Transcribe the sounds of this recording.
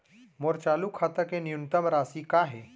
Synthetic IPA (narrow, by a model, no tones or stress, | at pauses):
moɾt͡ʃalukʰat̪əkenijunt̪əmɾaːsikaɦe